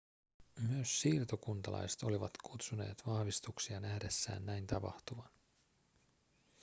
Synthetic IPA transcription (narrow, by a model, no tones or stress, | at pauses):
myøsːiːrt̪okunt̪ɑlɑ̰jset̪o̞liʋɑ̰t̪kʰut̪sune̞̰ːt̪ʋɑhʋist̪uksiɑnæhde̞sːæ̰ːnːæjnt̪ɑpɑ̰ht̪uʋɑn